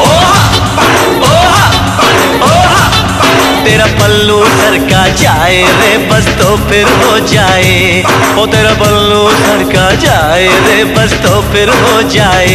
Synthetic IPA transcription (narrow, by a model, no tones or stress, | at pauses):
ɦo | ɦo | ɦo | t̪eːɾapəlːuːdʱəɾkad͡ʒaːeɾe | bəst̪opʰɪɾɦo | d͡ʒaːe | ɦoːt̪eːɾabəlːudəɾkad͡ʒaː | eɾeːbəst̪opʰɪɾɦoːd͡ʒaːe